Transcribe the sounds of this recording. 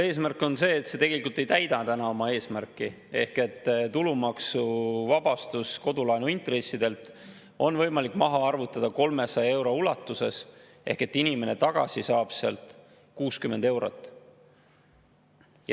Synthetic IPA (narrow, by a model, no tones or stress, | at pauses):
e̞ːsmærkˑo̞nse̞ːt̪se̞t̪e̞ɡe̞likult̪e̞jt̪æjd̪ɑt̪ænɑo̞mɑe̞ːsmærkːˑi | e̞̰hket̪ːt̪ulumɑksuvɑb̥ɑst̪usko̞d̪ulɑjnuint̪re̞sːid̪̥e̞lt̪ | o̞nvɤ̞jmɑlikːˑmɑɦɑɑrvut̪ːˑɑd̪̥ɑko̞lme̞sɑjɑe̞wɾo̞ulɑt̪ːˑuse̞s | e̞hke̞t̪ːinime̞ne̞t̪ɑɡ̥ɑ̰sisɑːb̥seɑ̰lt̪ˑ | kuːskyme̞nd̪e̞wɾo̰t̪ːˑ